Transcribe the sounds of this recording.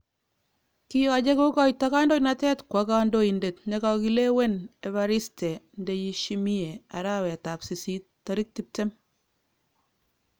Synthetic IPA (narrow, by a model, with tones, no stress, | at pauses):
kia˨d͡ʒe˦ko˦kɔ˦jtaka˦ndo˦jnatɛ˦tkwa˦ka˦ndo˦i˨nde˨tɲaka˨ki˨le˦we˦ne˨βa˨ɾi˦stɛ˨ndeji˦ʃimi˦e˨a˨ɾa˦wɛ˨ta˨psi˨si˦tːa˨ɾi˦k̚tip̚tɛ˦m